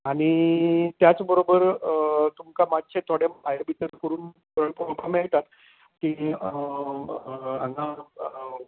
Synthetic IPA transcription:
aɽ̃it̪jat͡sbəɾobəɾt̪umkamad̪t͡ɕʰet̪ʰoɽjemajəbʱit̪əɾkəɾuːn | kəɭppameɭt̪at̪ | ki | ãŋɡa

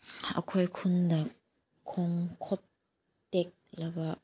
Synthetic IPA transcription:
ʔa̰kʰɔjkʰʊnd̪akʰː | ɔŋkʰɔt̪̚ː | ɛk̚labaʔ

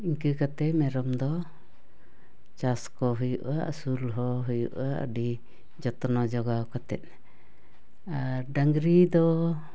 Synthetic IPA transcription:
iŋkɨkat̪ɛmɛɾɔmd̪ɔ | t͡ʃaskɔɦujuʔaʔəsulɦɔɦujṵʔaʔə̰ɖi | d͡ʒɔt̪ɔnɔd͡ʒɔɡawkat̪ɛ̰t̪̚ | aɾɖaŋɡɾid̪ɔ

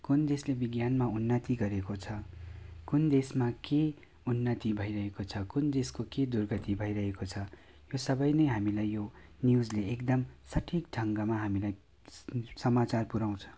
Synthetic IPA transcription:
kund̪eslebiɡjanmaunːʌt̪iɡʌɾekot͡sʰʌkund̪esmake | unːʌt̪ibʱʌiɾʌɦekot͡sʰʌkund̪eskoked̪urɡʌt̪ibʱʌiɾʌɦekot͡sʰʌ | josʌbʌjnʌjɦamilajːjonjud͡zleekd̪ʌmsʌʈʰik̚ʈʰʌŋɡʌmaɦamilaj | sʌmat͡sarpuɾaw̃t͡sʰʌ̥̃

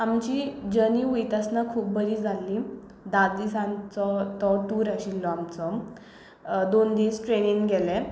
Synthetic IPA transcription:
amt͡ɕid͡ʑəniʋujt̪asnakʰuːp̚bəɾiːd͡zʱalːi | d̪ad̪isãnt͡sɔt̪ɔʈuːɾaɕilːɔamt͡sɔ | d̪ond̪iːsʈɾeniŋɡɡɛlɛ̃

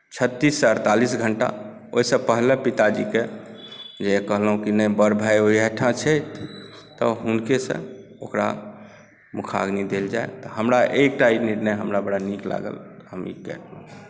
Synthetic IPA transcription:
t͡ʃʰət̪ːisːəɾt̪alisɡʱəɳʈa̰ | oɦisə̃pəɦlepit̪ad͡ʒike | d͡ʒeekəɦləɦũkinəjbəɾbʱajoɦiɛʈʰãt͡ʃʰɛt̪ | t̪ɔɦunkesə̰̃ | okɾa̰ | mukʰa̰ɡnid̪eld͡ʒaet̪ɔɦəmɾaʔek̚ʈainiɾnəjɦəmɾabəɽanikla̰ɡə̰lɦəmḭkɛ̰t̪lə

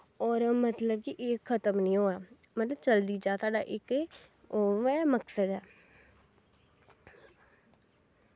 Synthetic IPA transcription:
ɔːɾmət̪ləbkiʔɪkʰːət̪əmnĩːɦoːaː | mət̪ləbt͡ʃəld̪iːd͡ʒaːt̪aːɖa̰ʔɪk | oːɛːməksəd̪ɦɛː

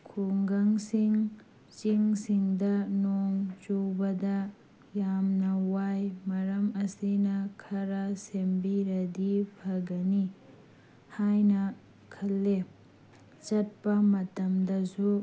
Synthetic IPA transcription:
kʰuŋɡɐŋsiŋ | t͡ʃiŋsiŋdɐnoŋt͡ʃuwbɐdɐ | jamnɐwajmɐɾɐmɐsinɐkʰɐɾɐsembiɾɐdipʰɐɡɐni | hajnɐ | kʰɐlːe | t͡ʃɐt̚pɐmɐtɐmdɐsu

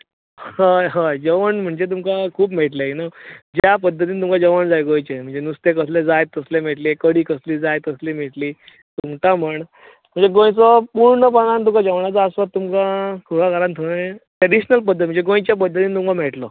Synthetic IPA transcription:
aɦad͡ʑəʋəɳm̤əɳd͡zet̪umkakʰuːpmeɭʈ̬lainad͡ʑjapəd̪ʱːət̪̬iːnit̪umkad͡ʑəʋəɳd͡zajɡõjt͡ɕem̤əɳd͡zenust̪ekəsled͡zajt̪əslem̤eʈlikəɽiːkəsliːd͡zajt̪əsliːm̤eʈliː | t̪umtam̤əɳ | m̤əɳd͡zeɡõjt͡sɔpuɽɳəpaɽ̃ãnt̪umkad͡ʑəʋɳat͡saːsʋat̪ːumkakʰuɽakaɾant̪ʰoɽeʈɾəɽiɕnəlp̬əd̪ʱːət̪m̤əɳd͡zeɡõjt͡ɕjap̬əd̪ʱːət̪iːnit̪umkameɭʈlɔ

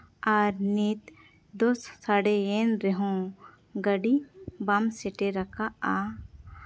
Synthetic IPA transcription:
aːɾneːt̪ | d̪ossaɽejenɾeɦõ | ɡɐɖibamseʈeɾɐkʰaa

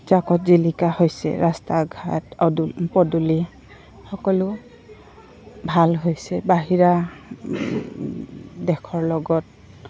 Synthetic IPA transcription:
zakɔtzilikahojsɛ̰ɹastaɡʱatdpɔduli | xɔkɔlʊ | bʱalɦojsɛbaɦiɹa | dɛkʰɔɹlɔɡɔt̚

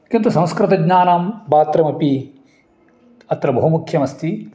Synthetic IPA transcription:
kint̪usɐ̃w̃skɾɨt̪ɐɡɲaːnambaːt̪ɾɐmɐpi | ɐt̪ɾɐbɐɦumukʰjɐmɐst̪i

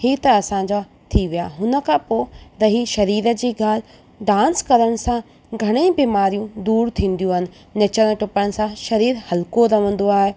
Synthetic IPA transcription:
hiːt̪ɐɐsãɲd͡ʑa | t̪ʰiʋijaːɦʊnə̆kʰãːpoːɾɐɦiʃɐɾiːɾəd͡ʑiːɡaːl̤ɪ | ɖãːnskɐɾəɽ̃ɪ̆sã | ɡʱɐɽ̃ẽːbiːmaːɾijũd̪uːɾt̪ʰĩːn̆d̪ijũɦɪnɪ̆ | nɐt͡ɕəɾʈʊpəɽ̃̆sãʃɐɾiːɾhɐlkoɾɐʋə̃n̆d̪oaːɦe

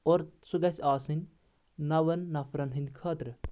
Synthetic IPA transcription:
oːɾsuɡɐsʲaːsɨnʲ | nɐʋɐnːɐfʰɾɐnɦĩnd̪kʰaːt̪ɾ

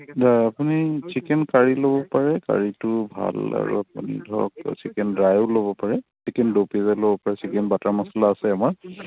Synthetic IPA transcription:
daapunisikɛnkaɹilobɔpaɹɛka̰ɹitʊbʱa̰la̰ɹṵap̚ṵnḭdʱɔɔ̰k̚sikɛndɹajʊlobɔpaɹɛsikɛndopizalobɔpaɹɛsikɛnbataɹmasalaːsɛamaɹ

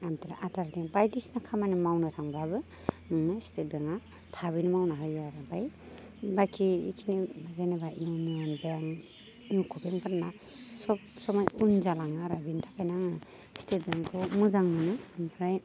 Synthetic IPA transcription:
amtiɾa̰ʔadaɾdiŋbajdisnakʰamanɯmawnɯtʰaŋbabɯ | ɯŋnɯstet̚beŋa | tʰaβɯnɯmawnaɦɯjaɾabaj | bakʰiḭkʰinibazenebainunɯjanbeaŋ | inukʰubeŋpʰaɾna | sɔpsɔmɔjunzalaŋaɾabintʰakʰajnaŋɯ | stet̚beŋkʰɯmuzaŋnɯnɯampʰɾaj

